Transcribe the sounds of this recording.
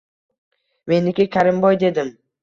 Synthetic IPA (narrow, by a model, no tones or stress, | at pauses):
me̞nɪkʲɪkʲʰaɾɪmbɒjd̪e̞d̪ɪm